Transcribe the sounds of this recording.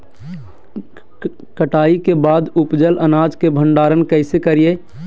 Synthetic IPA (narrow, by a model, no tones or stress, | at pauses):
kəʈaːikebaːd̪upd͡ʒələnaːd͡ʒkebʱəɳɖaːɾənkəɪsekəɾije